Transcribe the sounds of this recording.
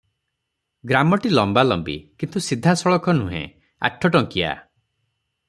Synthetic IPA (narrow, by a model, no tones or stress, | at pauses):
ɡɾamɔʈilɔmbalɔmbḭkint̪usid̪ʱasɔɭɔkɔnuɦḛ̃ | a̰ʈʰɔʈɔŋkia̰